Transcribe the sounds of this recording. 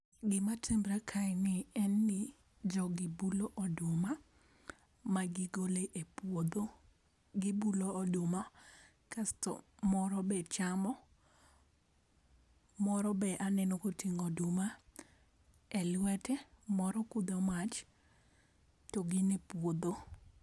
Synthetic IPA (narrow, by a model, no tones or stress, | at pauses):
ɡɪmatembɾakʰanɪɛnːɪ | d͡ʒɔɡɪbuloʔɔdʊma | maɡɪɡoleʔepwod̪o | ɡɪbuloːdʊma | kastɔ̰mɔɾɔbɛt͡ʃamɔ | mɔɾɔbɛʔanɛnokotiŋodʊma | ɛlwɛtɛmɔɾɔkud̪ɔmat͡ʃ | toɡɪnepwod̪o